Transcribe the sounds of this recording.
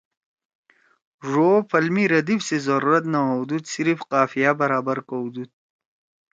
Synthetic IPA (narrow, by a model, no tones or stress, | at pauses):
ʐofɐlmiɾɐd̪ifsezɐɾuɾɐt̪nawawd̪ud̪siɾifqaːfijabɐɾaːbaɾkowd̪ud̪̚